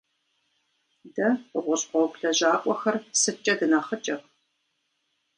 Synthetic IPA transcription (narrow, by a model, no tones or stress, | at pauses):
dɐəʁʷʊɕʼqʷɔwkʷɬɐʑaːkʷʼɔxɐrsɨt͡ʃʼɐdɨnaχət͡ʃʼɐp̚